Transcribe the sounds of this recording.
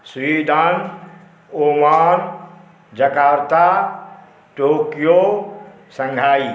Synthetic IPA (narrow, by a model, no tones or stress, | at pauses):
suʋid̪ʱãːn | oːmaːn | d͡ʒɐkaːɾt̪a | ʈoːkijo | sɐ̃ŋɡʱaːiː